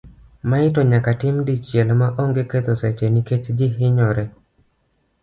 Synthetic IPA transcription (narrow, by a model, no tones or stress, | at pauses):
maɪtɔɲakatɪmdit͡ʃjɛlmaʔoŋɡeket̪osɛt͡ʃeniket͡ʃd͡ʒɪɦɪɲɔɾɛ